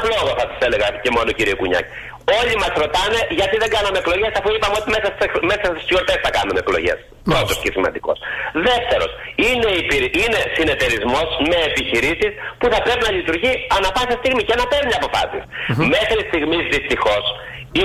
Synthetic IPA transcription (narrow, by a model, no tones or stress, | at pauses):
lo̞ɣoθɐsɐ̥sele̞ɣɐce̞mo̞nociɾiekuɲɐ̰ci̥ | o̞ʎimɐsɾo̞t̪ɐne̞ʝɐt̪iðe̞ŋɡɐnɐmeekloʝe̞sɐfuipɐmeo̞t̪ime̞sɐsmesɐst̪iso̞ɾt̪esθɐkɐnune̞klo̞̰ʝe̞̰s | ppɾo̞t̪o̞scesimɐ̰nd̪iko̞̰sðe̞ft̪e̞ɾo̞̰sineipiɾine̞sine̞t̪e̞ɾizmo̞sme̞ːpiçiɾisispuθɐpɾe̞pinɐʎit̪uɾʝiɐnɐfɐsɐst̪iɣmicenɐpeɾɲɐpo̞fɐ̰sisme̞xɾist̪iɣmizðist̪ixo̞s | i